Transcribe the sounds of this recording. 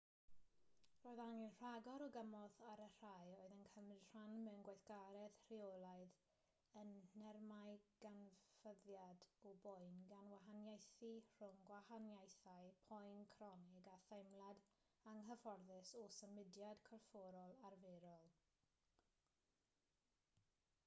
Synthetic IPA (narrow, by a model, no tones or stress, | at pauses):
roːɨðaŋinr̥aɡɔɾɔɡəmɔðaɾər̥ajoɨðənkʰəmrɪd̥r̥anmɛwənɡwajθɡ̥aɾɛð̥r̥iolˠaɨð | ənːɛrmajɡ̥anvəðjadɔbɔjnɡanwaɦanjajθir̥ʊŋɡwahanjajθajpʰɔjnkʰrɔnɪɡaθajmlˠad | aŋɦəfɔrðɪsosəmɪdjadkʰɔrfoɾɔlˠarveːɾɔlˠ